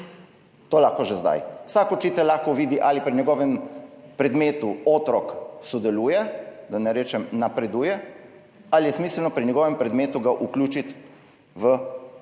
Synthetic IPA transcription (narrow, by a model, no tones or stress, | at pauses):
t̪oːlaxkɔʒɛzd̪a̰jw̥saːkɔt͡ʃiːt̪ɛllaxkɔʋiːd̪iʔalipɾiɲjɛɡɔːʋɛmpɾɛd̪meːt̪uoːt̪ɾɔksɔd̪ɛluːjɛd̪anɛɾeːt͡ʃɛmnapɾɛd̪uːjɛ | alijɛsmiːslnɔpɾiɲɛɡɔːʋɛmpɾɛd̪meːt̪uɡaʔuklʲuːt͡ʃit̪ | ʋə